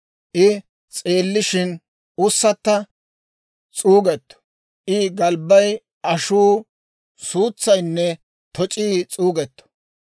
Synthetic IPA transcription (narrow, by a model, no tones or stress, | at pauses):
ʔɪ | t͡sʼe̞ːlːɪʃɪn | ʊsːɐt̪ːɐ | t͡sʼuːɡɛt̪ːɔ̥ | ʔɪɡɐlbɐj | ʔɐʃuː | suːt͡sːɐjnːɛ | t̪ɔt͡ʃʼiːt͡sʼuːɡɛt̪ːɔ̥